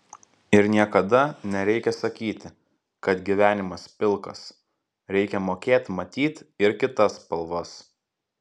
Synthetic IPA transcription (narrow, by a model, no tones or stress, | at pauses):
ɪɾnʲiɛkɐd̪ɐnʲɛɾʲɛɪkʲɛsɐkʲiːt̪ʲɪ | kɐt̪ɡʲiʋʲæːnʲɪmɐspʲɪlˠkɐs | ɾʲɛɪkʲɛmoːkʲeːt̪ʲmɐt̪ʲiːt̪ɪɾkʲɪt̪ɐspɐlˠʋɐs